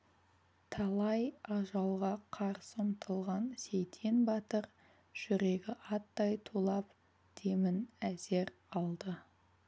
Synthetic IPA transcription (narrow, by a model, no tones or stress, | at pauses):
t̪ʰɑlˠɑjɑʒɑlˠʁɑqʰɑɾsəmt̪ʰəlˠʁɑnse̞jt̪ʰenbɑt̪əɾ | ʒ̥ʏɾe̞ɡʲɪʔɑt̪ːɑjt̪ʰulˠɑp | t̪ʰemɪnæze̞ɾ | ɑlˠd̪ə